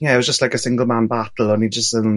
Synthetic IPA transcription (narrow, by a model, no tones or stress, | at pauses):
jɛɪt̚wɒzd͡ʒəstlaɪkəsɪ̃ŋɡlˠmãnbatˡl̩ˠə̃nid͡ʒəstəm